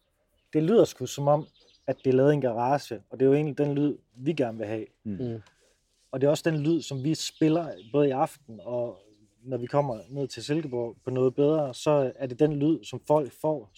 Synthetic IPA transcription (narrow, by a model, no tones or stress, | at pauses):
d̥e̝lyð̰ˠɒskʰusɒ̽mɒ̽m̰ | æd̥ːe̝ælɛːð̩ˠenɡ̥ɑ̈ʁɑ̈ːɕəɒ̽d̥e̝jo̝e̝ːnlid̥enlyð̞̰ˠ | ʋiɡ̥æɐnʋe̝ɦɛ̰ː | ɒ̽d̥e̝ɒ̽səd̥enlyð̞̰ˠsɒ̽mʋisb̥e̝lɐb̥ɔ̽ːð̞̩ˠiɑ̈fd̥̚n̩ɒ̽ | nɒʋikʰɒ̽m̰ɐne̝ð̰ˠt͡sʰese̝lɡ̥əb̥ɒ̰pʰɒ̽nɔ̽ːð̞̩ˠb̥eð̞ˠʁɐsɒ̽æɐd̥e̝d̥enlyð̞̰ˠsɒ̽mfɒ̽l̰ɡ̥fɒ̰ː